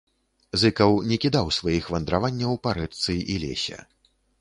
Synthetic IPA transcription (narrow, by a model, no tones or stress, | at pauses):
zɨkɐwnʲɛkʲid̪awsvajixvɐnd̪ɾavanʲːɐwpaɾɛt̪sɨilʲɛ̰sʲɛ̰